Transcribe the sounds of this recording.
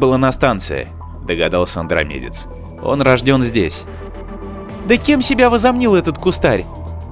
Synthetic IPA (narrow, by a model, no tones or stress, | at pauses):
bɨlˠanɐst̪ant̪sɨ̰jɪ̰ | d̪əɡɐd̪alˠsʲəɐnd̪ɾɐ̰mʲḛdʲɪ̰t̪s | o̞̰nrɐʐdʲo̞nzʲdʲesʲ | d̪əkʲe̞msʲɪbʲavəzɐmnʲilˠɛt̪ət̪kʊst̪aɾʲ